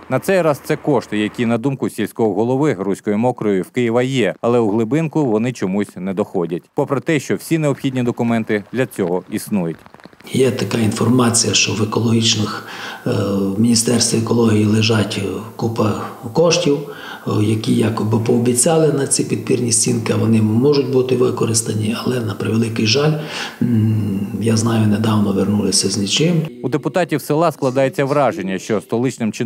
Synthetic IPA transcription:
nɐt̪sɛjɾɑz̥t̪sɛkɔʃt̪ɪjɐkʲinɐd̪umkʊsʲilʲsʲkɔɦɔɦɔlˠɔʋɪrusʲkɔjʊmɔkɾɔjjʊwkɪjɪʋɐjɛɐlˠɛuɦlˠɪbɪnkʊʋɔnɪt͡ʃɔmusʲnɛd̪ɔxɔdʲɐt̚ʲpɔpɾɔt̪ɛʃt͡ʃɔwsʲineɔpxʲidʲnʲid̪ɔkʊmɛnt̪ɪd̪ʲlʲɐt͡sʲɔɦɔisnujʊtʲjɛt̪ɐkɑinfɔrmɑt͡sʲijɐʃt͡ʃɔʋekɔlˠɔɦʲit͡ʃnɪx | mʲinʲist̪ɛrst̪ʋɔekɔlˠɔɦʲijilˠɪʒɑtʲkupɐkɔʃtʲiw | jɐkʲijɑkɔbɪpɔːbʲit͡sʲɑlˠɪnɐt͡sʲipʲid̪̚pʲirnʲisʲt͡sʲinkɪɐʋɔnɪmɔʒʊt̚ʲbut̪ɪʋɪkɔɾɪst̪ɐnʲiɐlˠɛnɐpɾɪʋelˠɪkɪjʒɑlʲ | jaznɑjʊned̪ɑwnɔʋernulˠɪsʲɐznʲit͡ʃɪmud̪epʊt̪ɑtʲiwsɪlˠɑsklˠɐd̪ɑjet͡sʲːɐʋɾɑʒenʲːɐʃt͡ʃɔst̪ɔlˠɪt͡ʃnɪmt͡ʃɪ

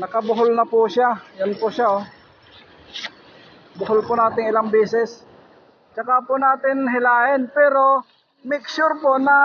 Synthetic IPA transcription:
nɐkɐbʊɦʊlnɐpʊʃajʊnpʊʃao | bʊɦʊlpʊnaːt̪ɪŋɪlaŋbɛːsɪs | t͡ʃɐkapʊnaːt̪ɪnɦɪlaːʔɪnpɛːɾo | mɪksʊɾponɐ

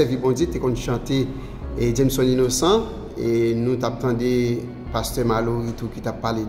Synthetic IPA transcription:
ɛvibõd͡zet̪ekɔ̃nʃɑ̃t̪e | d͡ʒɛmsɔ̃ninosã | enũtap̚t̪ãde | past̪œmaloɣitukitapːale

